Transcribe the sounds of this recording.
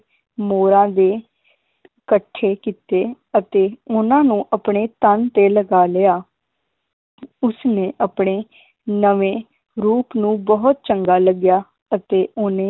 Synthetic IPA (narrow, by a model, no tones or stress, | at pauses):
moːɾãːd̪eː | kəʈʰːeːkiːt̪eː | ət̪eːʊnãːnũːʔəpɳeːt̪ənt̪eːləɡaːlɪjaː | ʊsnẽːʔəpɳ̃eː | nəʋẽː | ɾuːpnũːbəɦʊt̪̚t͡ʃəŋɡaːləɡjaː | ət̪eːʔʊnẽː